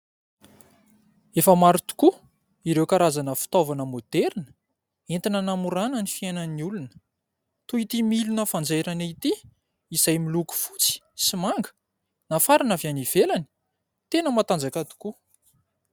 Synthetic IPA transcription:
efəmaɾit̪u̥ku | iɾewkaɾazanəfi̥t̪ovanəmod̪̥eɾinə̥ | ent̪inənamuɾanənifianəniulunə̥ | t̪uit̪imilunəfand͡zajɾanat̪i | izajmiluku̥fut͡si̥simaŋɡə̥ | nafaɾinavjaniv̥elani̥ | t̪enəmat̪and͡zakat̪u̥ku

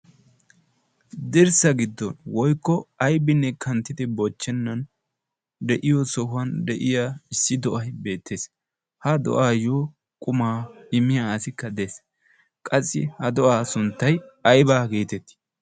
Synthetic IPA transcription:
d̪ɪɾsɐɡɪd̪ːɔnwɔjkːɔɐjbɪnːɛkʰɐnt̪ːɪd̪ɪbɔt͡ʃːɛnːɐn | d̪ɛʔɪjɔsɔɦʊɐnd̪ɛʔɪjaɪsːɪd̪ɔʔɐjbe̞ːt̪ʰːe̞ːs | hɐd̪ɔ̰ʔaːjoː | kʼʊmaːɪmɪjaɐsɪkːɐd̪e̞s | kʼɐsːɪ̰hɐd̪ɔʔaːsʊnt̪ːɐjɐjbaːɡeːt̪ɛt̪ːɪ̥

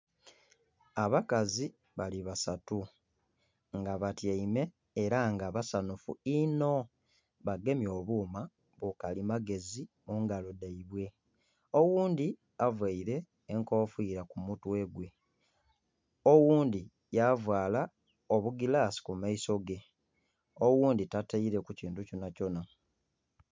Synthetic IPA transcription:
aβakazi | βaliβasatu | ŋɡaβatjaime̞ː | ɾaŋɡaβasanufṵino̞ | βaɡe̞mjo̞ːβuːma | βukalimaɡe̞zi | muŋɡalodaiβwe̞ | owuːnd̪i | avwaiɾe̞ː | ŋkoːfwiːɾakumutwe̞ɡwe̞ | owuːnd̪i | javwaːla | oβuɡilaːsi̥kumaiso̞ɡe̞ | owuːnditataiɾe̞kuciːntuconaco̞na

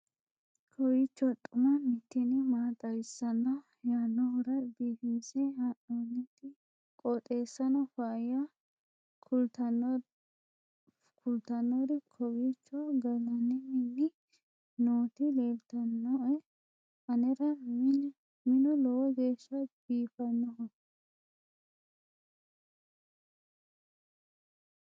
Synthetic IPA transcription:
kʰɔwit͡ʃːɔt̪ʼʊmɐmɪt̪ːɪnɪmaːt̪ʼɐjsːɐnːɐ | jaːnːɔhʊɾɐbiːfiːsɛhaʔonːɛt̪ɪ | kʼɔt̪ʼe̞ːsːɐnɔfaːjɐ | kʊlt̪ɐnːɔɾɪkʰɔwit͡ʃːɔɡɐlɐnɛmɛnːɪ | noːt̪ɪleːbt̪ɐnːɔɛ | ɐnɛɾɐmn | mɪnɔlɔwɔɡe̞ːʃːɐb̥iːfɐnːɔɔ

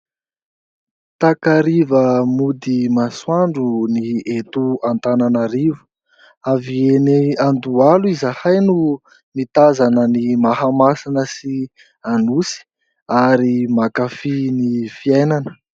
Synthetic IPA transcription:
t̪akaɾivəmud̪imaswaɳɖ͡ʐuniet̪uant̪ananaɾivə | avieneand̪ualuizahajnu | mit̪azanənimahamasinəsi | anusi̥ | aɾimakafinifiajnanə̥

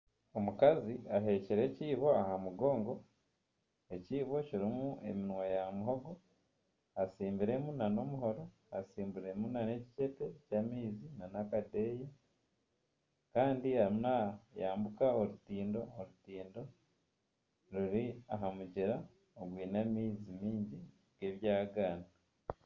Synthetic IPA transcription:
o̞mukaziaɦe̞ːciɾe̞ciːβo̞ahamuɡo̞ːŋɡo̞ | e̞ciːβo̞ciɾimue̞̰minwajamuɦo̞ɡo̞ | asiːmbiɾe̞munano̞muɦo̞ɾo̞ | asiːmbuɾe̞munane̞ci̥ce̞te̞camiːzinanakade̞ːje | kaːndiamnajaːmbukaoɾutiːndo̞ːɾutiːndo̞ | ɾuɾiaɦamuɟiɾa | oɡwiːnamiːzimiːɲɟi | ɡ̥e̞ːβjaːɡaːna

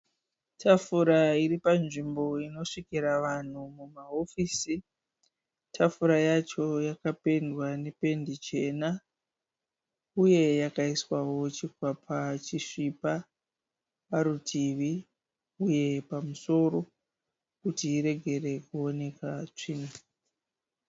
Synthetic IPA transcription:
tʰafuɾaiɾipanʐimbo̞ino̞ʂikiɾaʋan̤umumaɦo̞fiːsi | tʰafuɾajat͡ʃo̞jakape̞ndwane̞pe̞ndit͡ʃe̞na | uje̞jakaiswawo̞t͡ʃikwapʰat͡ʃiʂipa | ʋaɾutʰiʋi | uje̞pamuso̞ɾo̞ | kutiːɾe̞ɡʱe̞re̞kuo̞ne̞kat͡ʂiːno

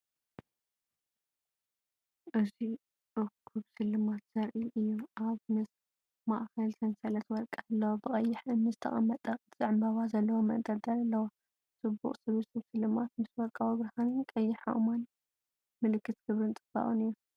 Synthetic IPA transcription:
ʔɨzi | ʔɨkʰuβsɨlːɨmat̪z̥ɐɾʔiʔɨjːuʔaβmɨs | ma̰ʔkɐlt̪ʰɐnsɐlɐt̪wɔlkʼaɐlːɐwobɨkʼɐjːɪħɨnːɨzɨt̪ʰɐ̰χʼɐmːɐt̪ʼɐzʼɨʕɨmbaβazɐlːɐwomɐ̰nd̪ʼɐd̪ɐlɐlːɐwa | sʼɨbːṵχʼsɨβɨsɨβsɨlːɨmat̪̚mɨswɔlkʼawibɾɐhanɨnkʼɐjːɪħa̰ʔumalː | mɨlɨkʰːɨt̪ɡ̥ɨβɾɨnt͡s̪ʼɨb̥a̰ʔʼunɨjːu

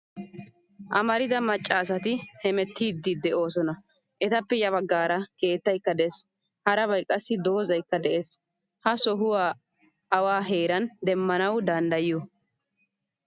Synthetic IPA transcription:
ʔɐmɐɾɪdɐmɐt͡ʃʼːaːsɐt̪ɪhɛmɛt̪ːiːd̪ːid̪ɛʔo̞ːsɔnɐ | ʔɛt̪ɐpːɛjɐβɐɡːaːɾɐke̞ːt̪ːɐjkːɐd̪ɛs | hɐɾɐβɐjkʼːɐsːɪd̪o̞ːzɐjkːɐd̪ɛʔes | hɐsɔɦʊwaː | ɐwaːɦe̞ːɾɐnd̪ɛmːɐnɐwd̪ɐnd̪ɐjɪjo

